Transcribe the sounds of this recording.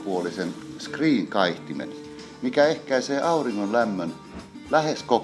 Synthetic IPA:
puolisenskriːŋkɑiht̪imḛn | mikæehkæiseːʔɑuriŋːonlæmːøn | læhesko

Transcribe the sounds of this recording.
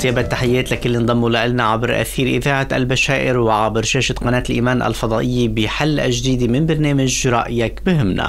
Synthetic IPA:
t̪jeːbat̪ːaħɪjːeːt̪lakɪlːind̪ˤɑmːulaʔalnaʕabɾʔa̰θiːɾʔɪðaːʕaʔa̰lbaʃaːʔɪɾwɪʕabɾʃeːʃat̪qɑneːt̪ɪlʔiːmaːnʔa̰lfɑd̪ˤɑːʔɪjːibɪħalːʔa̰ʒd̪iːd̪imɪnbaɾneːmaʒɾˤɑ̰ʔɪjakbɪhɪmːna̰

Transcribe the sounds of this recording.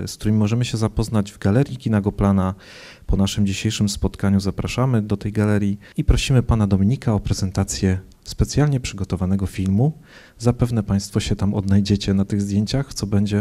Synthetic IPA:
skt̪uɾɘmʲimɔʐɛmɘɕɛzapɔznad͡ʑvɡalɛɾʲjikʲinaɡɔplana | pɔnaʂɘmd͡ʑiɕejʂɘmspɔt̪kaɲuzapɾaʂamɘd̪ɔt̪ɛjɡalɛɾʲji | ipɾɔɕimɘpan̪ad̪ɔmʲiɲikaɔpɾɛzɛnt̪at̪sʲjɛ | spɛt̪sʲjalɲɛpʂɘɡɔt̪ɔvanɛɡɔfʲilmu | zapɛvn̪ɛpaj̃st̪fɔɕɛt̪amɔd̪najd͡ʑɛt͡ɕɛnat̪ɘɣzd̪ʲjeɲt͡ɕaxt̪sɔbɛɲd͡ʑɛ

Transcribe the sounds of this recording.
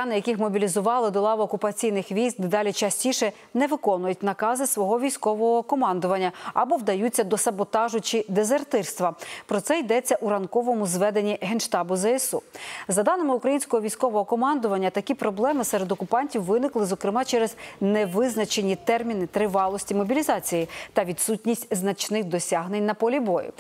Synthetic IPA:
ɑnɪjɐkʲɪxmɔbʲilʲizʊʋɑlˠɪd̪ɔlˠɑʋɐːkʊpɐt͡sʲijnɪxʋʲijzɡ̚d̪ɪd̪ɑlʲit͡ʃɐsʲtʲiʃɛ | nɛʋɪkɔnʊjʊtʲnɐkɑzɪsʋɔɦɔʋʲijsʲkɔʋɔɦɔkɔmɑnd̪ʊʋɐnʲːɐɐbɔʋd̪ɐjut͡sʲːɐd̪ɔsɐbɔt̪ɑʒʊt͡ʃɪd̪ezert̪ɪrst̪ʋɐpɾɔt̪sɛjd̪ɛt͡sʲːɐʔuɾɐnkɔʋɔmʊzʋɛd̪e̞nʲiɦenʃt̪ɑbʊzɛɛsṵzɐd̪ɑnɪmɪʊkɾɐjinʲsʲkɔɦɔʋʲijsʲkɔʋɔɦɔkɔmɑnd̪ʊʋɐnʲːɐt̪ɐkʲipɾɔblˠɛmɪsɛɾed̪ɔkʊpɑnʲtʲiwʋːɪnɪklˠɪzɔkɾɪmɑt͡ʃɛɾɛzneʋɪznɐt͡ʃe̞nʲit̪ɛrmʲinɪt̪ɾɪʋɑlˠɔsʲtʲimɔbʲilʲizɑt͡sʲijit̪ɐʋʲid̪sutʲnʲisʲtʲznɐt͡ʃnɪxd̪ɔsʲaɦnenʲnɐpɔlʲibɔjʊ̰

